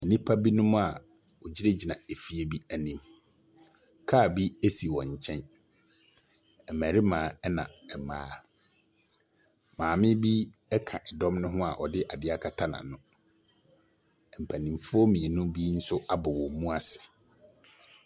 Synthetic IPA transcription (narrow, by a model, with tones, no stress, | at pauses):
ɛ˨nĩ˦pʰa˦bi˦nʊ̃˦m̃˦a˨ | wɔ˨d͡ʑi˦de˦d͡ʑi˨nã˨e˨fi˦e˦bi˦æ˨nĩ˦m | kʰaː˦˨bi˦e˦si˨wɔ̃˨ɲ̩˨t͡ɕʰɛ̃˦n | ɛ˨mæː˨ɾi˦mãː˨˦ɛ˦nã̰˨ɛ˨maː˦ | mãː˨mɪ̃˦bi˦ɛ˦kʰã̰˨ʔɛ˨dɔ̃˦mnʊ̃˦ɦʊ̃˦a̰˨ʔɔ̰˨dɪ˦ʔa˨dɪ˦a˦˨kʰa˨tʰa˦nã̰˨nʊ̃˦˨ | m̩˨pʰæ˨nĩ˨mfʊ˦ɔ˦mĩ˨e˨nʊ̃˦bi˦n̩˦sʊ˦a˦bɔ˨wɔ˨mũ˦a˨sɪ̥˨